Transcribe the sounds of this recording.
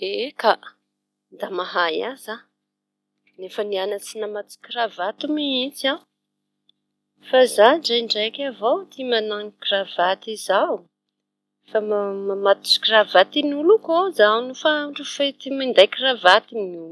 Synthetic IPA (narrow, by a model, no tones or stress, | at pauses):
eka | d̪amaɦajaza | nefənianat͡sinamat͡s̪i̥kiravat̪umiit͡sã | fazaɳɖ͡ʐajɳɖ͡ʐajkʲavowt̪imanaŋkiravat̪izaw | famamamat̪u̥si̥kravat̪inulukozanufaɳɖ͡ʐufet̪imind̪ajkiravat̪inu